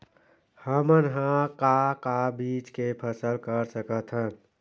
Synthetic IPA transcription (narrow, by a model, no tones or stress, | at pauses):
həmənɦãkakabiːt͡ʃkepʰəsəlkəɾsəkət̪ʰɦən